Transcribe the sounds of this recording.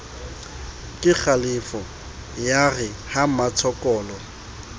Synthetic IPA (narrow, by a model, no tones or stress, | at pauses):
kʼɪk͡xʰalɪfɔ | jaɣɪhamat͡sʰɔkʼɔːlɔ